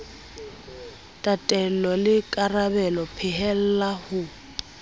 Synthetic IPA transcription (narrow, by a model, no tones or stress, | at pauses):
tʼatʼɛlɔlɪkʼarabɛlɔpʰɪɦɛl̩lahʊ